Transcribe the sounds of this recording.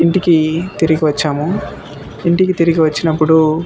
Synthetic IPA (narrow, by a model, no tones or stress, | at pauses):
iɳʈikit̪iɾiɡiʋɐt͡ʃːaːmu | iɳʈikit̪iɾiɡiʋɐt͡ʃːinɐpːuɽu